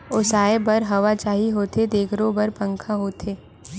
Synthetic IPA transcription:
ʊsaːebɐɾɦɐʋat͡ʃaːɦiɦoːt̪ʰed̪eːkʰɾõbɐɾpə̃ŋkʰaɦoːt̪ʰeː

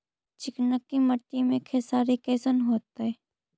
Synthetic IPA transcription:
t͡ʃɪknəkːimɐʈ̪ːimẽkʰeːsaːɾikɛːsənɦoːt̪ɛ

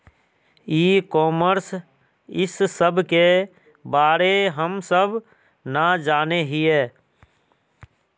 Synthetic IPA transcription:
iːkɔːməɾs | ɪsːəbʱke | baːɾeɦəmsəb | nad͡ʒaːneɦiɛː

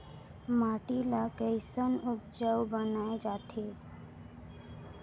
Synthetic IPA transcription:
maːʈilakəɪsənʊpd͡ʒəʋbənaed͡ʒaːt̪ʰe

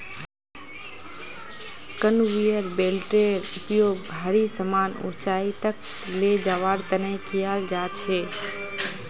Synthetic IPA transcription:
kənʋijəɾbelʈɾeɾʊpjoɡbʱaɾisəmaːnṵ̃t͡ʃait̪ək | led͡ʒaʋaɾt̪ənekijald͡ʒat͡ʃʰe

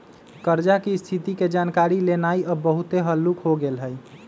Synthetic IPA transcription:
kəɾd͡ʒakest̪ʰit̪iked͡ʒankaɾilenaiɔbəɦut̪eɦəlːukɦoɡelɦəj

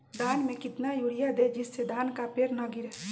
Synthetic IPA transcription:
d̪anmekɪt̪najuɽijad̪ed͡ʒisːed̪ankapeɾnəɡiɾe

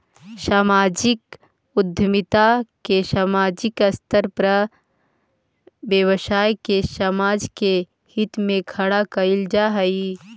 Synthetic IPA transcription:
saːmaːd͡ʒɪk | ʊd̪ʱjəmɪt̪akesaːmaːd͡ʒɪkəst̪ʰəɾpɾə | bjəwəʃaːjkesəmaːd͡ʒke | hɪt̪mẽkʰɐɽakɐɪld͡ʒaɦəi

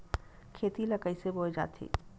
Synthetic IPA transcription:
kʰeːt̪ilɐkəiseboːed͡ʒa̰ːt̪ʰḛː

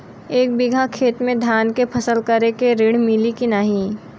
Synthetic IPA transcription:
eːk̚bɪɡʱakʰeːt̪mẽd̪ʱjaːnkepʰɐsəlkəɾekeɾɪɽmɪlikinaɦĩ

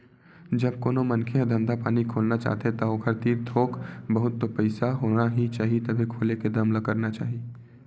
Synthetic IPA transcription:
d͡ʒɐbkoːnomɐnkʰead̪ʱɐ̃md̪apaːnikʰoːlnat͡ʃa̰ːɦt̪et̪ɐokʰəɾt̪iːɾd̪ʱʰoːkbɐɦʊt̪ːopəɪsaɦoːnaɦit͡ʃaːɦiet̪ɐbʱikʰoːleked̪ɐmləkəɾnat͡ʃa̰ːɦi

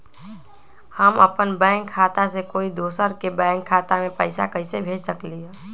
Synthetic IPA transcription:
həmɐpənbɛ̃ːŋkʰːaːt̪asekoːid̪oːsəɾkebɛ̃ːŋkʰːaːt̪amẽpəɪsa̰kəɪsebʱeːd͡ʒsəkliɦɛː

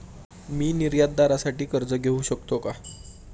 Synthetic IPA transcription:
miːniɾjad̪̚ːaɾasaʈiːkəɾd͡zəɡʱeuɕəkt̪oka

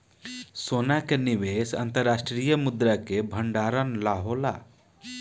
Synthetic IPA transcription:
soːnakeniʋeːsɐ̰nt̪əɾːaːsʈɾiːjəmud̪ɾakebʱɐɳɖaːɾənlaːɦola̰

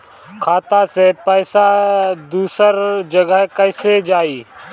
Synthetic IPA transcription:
kʰaːt̪asepəːsad̪uːsəɾd͡ʒəɡəɦkəɪsed͡ʒaːiː

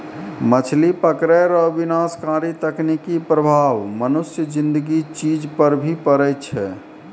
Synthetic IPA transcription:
mət͡ʃʰlipəkɾɛjɾəbinaskaɾit̪əknikipɾəbʱaʋmənusjəd͡ʒĩnd̪əɡit͡ʃid͡ʒpəɾbʱipəɾɛt͡ʃʰɛ̰

